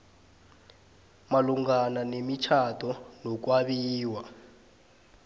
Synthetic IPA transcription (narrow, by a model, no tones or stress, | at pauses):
maluŋɡananemit͡ʃʰatʰɔnɔk̬waɓiːwa